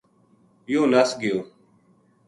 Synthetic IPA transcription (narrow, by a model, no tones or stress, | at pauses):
jõːləsɡɪjoː